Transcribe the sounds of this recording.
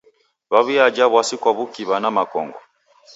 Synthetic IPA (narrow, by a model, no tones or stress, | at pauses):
βaβiad͡ʒaβwasikwaβukiβanamakɔ̰ŋɡɔ